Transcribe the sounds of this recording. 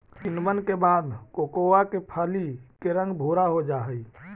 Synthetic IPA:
t͡ʃɪnmənkebaːd̪kokoakepʰaːlikeɾə̃ŋɡbʱoːɾaɦod͡ʒaːɦəi

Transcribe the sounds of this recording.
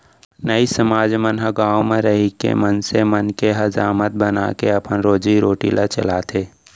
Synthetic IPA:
nəisəmaːd͡ʒmənɦəɡaːomẽɾəɦikḛmənsemənkeɦəzaːmət̪̚bəna̰keɐpənɾoːd͡ʒiɾoːʈḭlat͡ʃə̰laːt̪ʰeː

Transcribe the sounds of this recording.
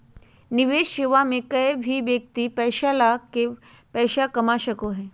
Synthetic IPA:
niʋeːʃeʋamẽkɐbʱiʋjək̚t̪ipɛːʃalake | pɛːʃakɐmaʃəkoɦɛː

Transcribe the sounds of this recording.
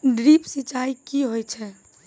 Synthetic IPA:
ɖɾipsit͡ʃaikiɦojt͡ʃʰɛ

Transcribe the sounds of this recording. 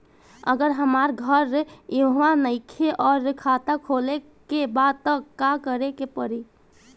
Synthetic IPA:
ə̰ɡəɾɦəmaɾɡʱəɾeɦanəɪkʰeʔɔːɾkʰat̪akʰole | kebad̪̚t̪əkakəɾekepəɾi

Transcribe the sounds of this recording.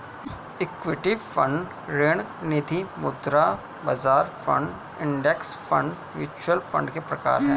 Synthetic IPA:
ɪkʋɪʈifʰɐ̃ɳɖ | ɾeːɽ̃ | nɪd̪ʱimʊd̪ɾa | bɐzaːɾfʰɐ̰̃ɳɖ | ɪ̃ɳɖeksfʰɐ̰̃ɳɖ | ʋjuːt͡ʃwəlfʰɐ̰̃ɳɖkepɾɐka̰ːɾɦɛ̰̃ː

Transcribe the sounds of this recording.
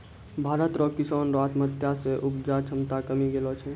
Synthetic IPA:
bʱaːɾət̪ɾɔːkɪsaːnɾat̪mət̪jaseʔupd͡ʒat͡ʃʰəmt̪akəmiɡelɔt͡ʃʰɛ

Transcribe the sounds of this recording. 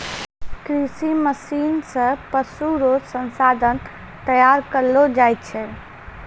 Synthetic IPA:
kɾisiməsinsə̃pəsuɾod͡ʒsənsad̪ʱən | t̪əjaɾkəɾlod͡ʒajt̪t͡ʃʰɛ

